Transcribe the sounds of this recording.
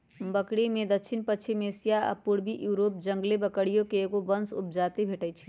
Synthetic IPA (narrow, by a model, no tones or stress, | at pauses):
bəkɽimẽd̪əkt͡ʃʰinpət͡ʃʰimesijaə̰pʊɽbiʔjuːɾoːp̚d͡ʒə̃ŋɡlebəkəɽijõkeːɡobənsʊ̰p̚d͡ʒaːt̪ebʱeːʈət͡ʃʰi